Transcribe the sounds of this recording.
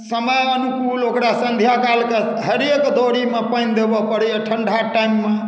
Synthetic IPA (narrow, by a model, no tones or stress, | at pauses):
səməjənukulokɾasənd̪ʱjakalke | ɦəɾekd̪ʱoɾimepəjnd̪ebɔpəɾɛəʈʰəɳɖʱaʈajmːe